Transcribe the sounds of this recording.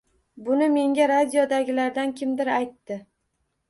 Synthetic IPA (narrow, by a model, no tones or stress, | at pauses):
bʊnɪme̞ŋɡʲaɾad̪ʲijod̪aɡʲɪlaɾd̪ankʲʰɪmd̪ɪɾajt̪ːɪ